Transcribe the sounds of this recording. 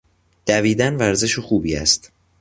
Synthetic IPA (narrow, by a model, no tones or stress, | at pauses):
d̪̥æviːd̪ænvæɾze̞ʃoxuːbiːæ̰st̪